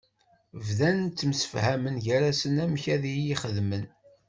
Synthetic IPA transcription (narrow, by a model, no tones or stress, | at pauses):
vðænənt͡s̪ːəmsə̥fhæmənʝæɾæsənæmçæðijiχəðmən